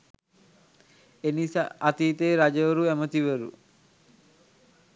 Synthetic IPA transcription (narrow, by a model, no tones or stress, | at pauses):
enisa̰ʔat̪iːt̪eːɾad͡ʒəʋəɾuæmət̪iʋəɾṵ